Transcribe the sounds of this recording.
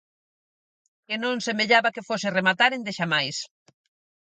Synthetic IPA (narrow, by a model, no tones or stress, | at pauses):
kenõnsemeʎaβakefoseremat̪aɾend̪eʃamajs